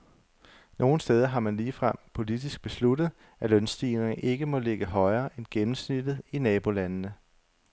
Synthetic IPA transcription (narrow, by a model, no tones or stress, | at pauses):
no̝ːn̩sd̥eːð̞ˠɐɦɑ̈mænliːfʁɑ̈pʰo̝lid̥isɡ̥̚b̥e̝sludð̞̩ˠ | ælœnsd̥ḭːneŋʔe̝ɡ̥əmɒ̽le̝ɡ̥əɦɒ̽ɪɐːʔenɡ̥emm̩snid̥ð̞̩ˠinɛːb̥o̝lænnə